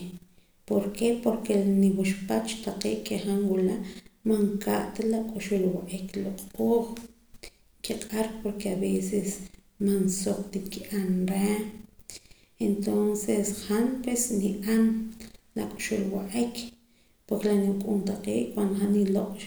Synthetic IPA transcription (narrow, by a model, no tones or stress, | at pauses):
poɾkepoɾkeniwuʃpat͡ʃt̪aqḛːʔkeχanwulaʔmaŋkaʔt̪alakʼuʃulwaʔikloqʼoːχ | kiqʼaɾkpoɾkeaβeses | mansokt̪ip̚kiʔanɾe | ent̪onseshanpwesniʔanla̰kʼu̥ʃulwaʔikʰ | poɾklaniwkʼunt̪aqeːʔkwand̪oxaniloqʼ